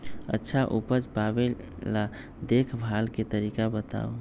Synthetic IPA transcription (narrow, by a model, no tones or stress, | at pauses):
ə̰tːʃʰaʔupəd͡ʒpabe | lːa | d̪ekʰbʱalket̪əɾikabət̪a̰o